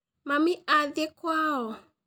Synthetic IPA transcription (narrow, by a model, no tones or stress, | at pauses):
mamiaðɛkwaɔ